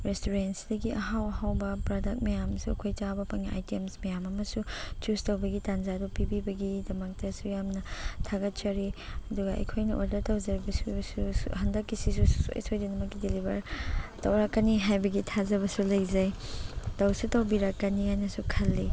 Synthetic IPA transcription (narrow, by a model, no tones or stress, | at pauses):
ɾestuɾensi̥dɐɡiɐɦawɐhawbɐpɾadɐk̚mɐjamsuɐkʰojt͡ʃawbɐpaŋiʔa̰jtiemsmɐjamɐmɐsut͡ʃustɐwbɐɡitanzadɔpibibɐɡidɐmɐk̚tɐsujamnɐtʰaɡɐt̚t͡ʃɐɾiɐduɡɐʔɐ̰jkʰojnɐʔoldɐɾtɐwzɐɾibɐsusushɐndɐkːisis̬uso̰jsojdinɐmɐkːidelibɐɾtɐwɾakːɐniɦajbɐɡitʰazɐβɐsulɐjzɐjtɐwsutɐwbiɾakːɐnikʰajnɐsukʰɐlːi